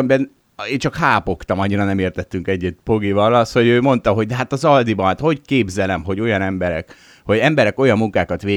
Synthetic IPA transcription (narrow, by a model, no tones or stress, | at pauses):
mbɛn | eːnt͡ʃɒkhaːpo̞kt̪ɒmɒɲːiɾɒnɛmeːrt̪ɛt̪ːyŋkɛɟːɛt̪po̞ɡivɒlɒst̪ho̞ɟøːmo̞nt̪ɒɦo̞ɟ̚d̪ɛɦat̪ɒzɒld̪ibɒnat̪ho̞ckeːbzɛlɛmɦo̞ɟo̞jɒnɛmbɛɾɛ̰k | ho̞ɟɛmbɛɾɛko̞jɒmːuŋkaːkɒt̪ʋeː